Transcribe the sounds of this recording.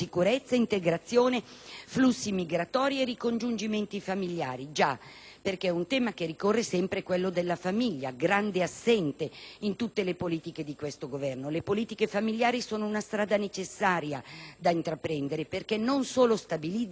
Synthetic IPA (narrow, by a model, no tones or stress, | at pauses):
ikuɾɛt̪sːaint̪eɡɾat̪sːjoːneflusːimiɡɾat̪ɔːɾierikond͡ʒund͡ʒiment̪ifamiljaːɾid͡ʒa | perkeɛunt̪ɛːmakerːikorːesɛmpɾekwelːod̪elːafamiʎːaɡɾand̪easːɛnt̪eint̪ut̪ːelepoliːt̪iked̪ikwest̪oɡovɛrnolepoliːt̪ikefamiljaːɾisoːnounast̪ɾaːd̪anet͡ʃesːaːɾjad̪aint̪ɾapːɾɛnd̪eɾeperkenːonsoːlost̪abili